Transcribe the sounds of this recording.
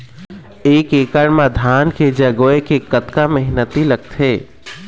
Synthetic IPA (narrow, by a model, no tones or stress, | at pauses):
eːkeːkəɾmãd̪ʱaːnked͡ʒəɡoekekət̪kaməɦnət̪iləɡ̚t̪ʰeː